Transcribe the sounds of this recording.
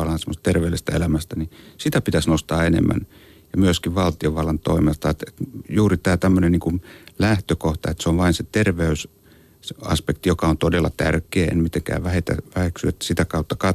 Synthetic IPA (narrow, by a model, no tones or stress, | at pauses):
ɑlɑnsemːost̪erʋeylist̪æelæmæst̪ænisit̪æpit̪æsnost̪ɑːenḛmːæ̰n | jɑmyøskiʋʋɑlt̪ioʋɑlːɑnt̪o̰imelt̪ɑet̪et̪juːrit̪æːt̪æmːøneniːŋkunlæht̪økoht̪ɑet̪seoʋʋɑinset̪erʋeys | ɑ̰spekt̪ijokɑont̪odelːˑɑ̰t̪ærkeːḛnmit̪eŋkæ̰ːʋʋæhet̪æ̰ʋæheksyḛt̪ːæ̥sit̪ækɑut̪ːɑkɑ